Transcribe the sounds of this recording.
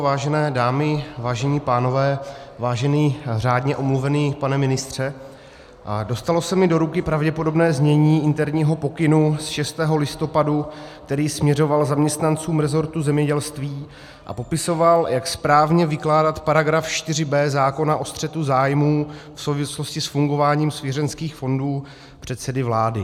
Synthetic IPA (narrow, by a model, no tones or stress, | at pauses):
vaːʒɛnɛːdaːmɪvaːʒɛɲiːpaːno̞vɛːvaːʒɛniːr̝aːdɲɛʔo̞mluvɛniːpanɛmɪnɪst̪r̝̥ɛ | do̞st̪alo̞sɛmɪdo̞ɾukɪpɾavɟɛpo̞do̞bnɛːzɲɛɲiːʔɪnt̪ɛɾɲiːɦo̞po̞kɪnusʃɛst̪ɛːɦo̞lɪst̪o̞padukt̪ɛɾiːsmɲɛɾo̞valzamɲɛst̪nant͡suːmɾɛzo̞ɾt̪uzɛmɲɛɟɛlst̪viː | ʔa̰po̞pɪso̞valjakspɾaːvɲɛvɪklaːdat̪paɾaɡɾafʃt̪ɪrɪbɛːzaːko̞naʔo̞st̪r̥ɛt̪uzaːjmuːfso̞wvɪsloscɪsfuŋɡo̞vaːɲiːmsvjɛɾɛnskiːxfo̞nduː | pr̥ɛt̪sɛdɪvlaːdɪ